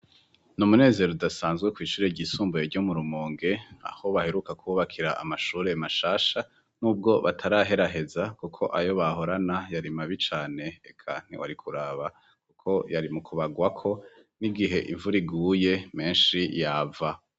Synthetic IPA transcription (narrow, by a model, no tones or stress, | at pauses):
numune̞ːze̞ɾodasaːnzɡwe̞kwiːʃuːɾe̞ɟisuːmbujeɾɟo̞muɾumoːŋɡe̞a̰ho̞βahe̞ɾukakʰuuβakʰiɾaʔamaʃuːɾe̞maʃaːʃa | nuːb̚ɡo̞βa̰tʰaɾaːɦe̞ɾaɦe̞zakukʰo̞ʔajo̞βaɦo̞ɾanajaɾimaβit͡ʃaːne̞ekʰa̰n̥ḛwa̰ɾikʰuɾaβa | kukʰo̞jaɾimukʰuβaɡwakʰo̞ | niɡiɦe̞̰ʔḭɱvuɾiɡuːje̞me̞ːnʃijaːva